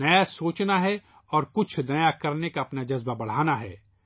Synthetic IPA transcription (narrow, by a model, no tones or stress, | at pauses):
ɐjasoːt͡ʃnaɦɛ | ɔːɾkʊt͡ʃʰnɐjakɐɾnekaɐpnad͡ʒɐzbabɐɽ̤aːnaɦɛ̰ː